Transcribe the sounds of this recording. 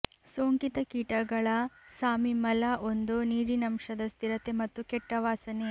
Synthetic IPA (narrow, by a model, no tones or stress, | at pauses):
soːŋkit̪ɐkiːʈɐɡɐɭɐsaːmimɐlɐʔo̞nd̪uniːɾinɐmʂɐd̪ɐst̪iɾɐt̪e̞mɐt̪ːukɛʈːɐʋaːsɐne